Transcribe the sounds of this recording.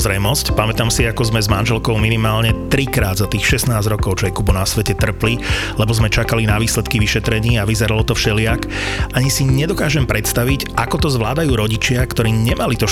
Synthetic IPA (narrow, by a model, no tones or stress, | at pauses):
zɾɛjmɔscpamɛt̪aːmsiakɔzmɛzmanʒɛlkɔʊminimaːlɲɛt̪ɾikɾaːd̪zat̪iːxʃɛsnaːzɾɔkɔʊt͡ʃɔjɛkubɔnasʋɛcɛt̪r̩pli | lɛbɔzmɛt͡ʃakalinaʋiːslɛt̪kiʋiʃɛt̪ɾɛɲiːaʋizɛɾalɔt̪ɔfʃɛlɪak | ʔaɲisiɲɛd̪ɔkaːʒɛmpɾɛt̪st̪aʋicʔakɔt̪ɔzʋlaːd̪ajuːɾɔɟit͡ʃɪakt̪ɔɾiːɲɛmalit̪ɔ